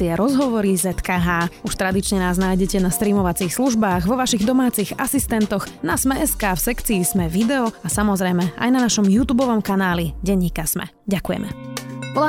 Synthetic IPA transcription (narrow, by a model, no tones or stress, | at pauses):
iɛɾɔzɦɔʋɔɾizɛt̪kaɦaːuʃt̪ɾad̪it͡ʃɲɛnaːznaːjɟɛcɛnast̪ɾiːmɔʋat͡siːxsluʒbaːɣʋɔʋaʃiɣd̪ɔmaːt͡siɣasist̪ɛnt̪ɔɣnasmɛʔɛskaːfsɛkt͡siːzmɛʋid̪ɛɔasamɔzɾɛjmɛa̰jnanaʃɔmjuːt̪uːbɔʋɔmkanaːliɟɛɲːiːkasmɛ̰ | ɟakujɛ̰mɛ̰pɔla